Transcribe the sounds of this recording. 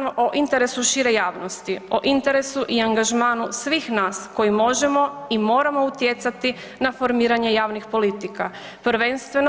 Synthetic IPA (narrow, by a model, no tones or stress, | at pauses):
noʔoʔint̪e̞ɾe̞suʃiɾe̞jaːʋno̞st̪io̞ʔint̪e̞ɾe̞suʔiaŋɡaʒmaːnusʋiːxnaːsko̞jimo̞ʒe̞mo̞imo̞ːɾamo̞ut̪je̞t̪sat̪i | nafo̞ɾmiːɾaɲe̞jaːʋnixpo̞lit̪ika | pɾ̩ʋe̞nst̪ʋe̞n